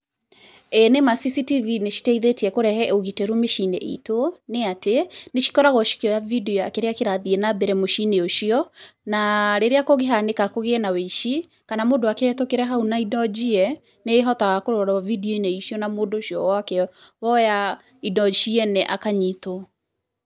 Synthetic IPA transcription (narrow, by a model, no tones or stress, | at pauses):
enemasisitivineʃi̥tɛiðetiɛkoɾɛhɛoɣitɛɾumeʃineʔḭtoneateneʃi̥kɔɾaɣɔʃi̥kiɔjavideoakeɾeakeɾaðiɛnabɛɾɛmoʃineoʃiɔnaɾeɾeakoɣeɦanekakoɣeɛnaweʃi | kanamoːndowakɛɛtokeɾɛɦaunaidɔd͡ʑiɛ | neːɦɔtaɣakoɾɔɾavidioineiʃjɔnamoːndoʃiɔwakɛwɔja | idɔʃiɛnɛʔa̰kaɲito